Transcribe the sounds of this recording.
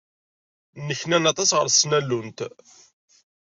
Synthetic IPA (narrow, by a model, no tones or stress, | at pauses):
nːəçnænɑt̪ˤɑsʁə̰ɾsnælːunt̪